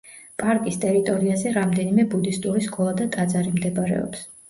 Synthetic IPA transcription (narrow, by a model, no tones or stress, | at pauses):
pʼaɾkʼist̪ʼɛɾit̪ʼɔɾiazɛɾamd̪ɛnimɛbud̪ist̪ʼuɾiskʼɔlˠad̪at̪ʼad̪zaɾimd̪ɛbaɾɛ̰ɔ̰ps